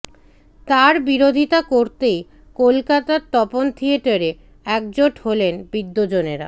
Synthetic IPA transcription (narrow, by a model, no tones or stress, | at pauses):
t̪aɾbiɾod̪ʱit̪akoɾt̪ej | kolkat̪aɾt̪ɔpont̪ʰieʈaɾe | ɛk̚d͡ʑoʈholenbid̪ːod͡ʑoneɾa̰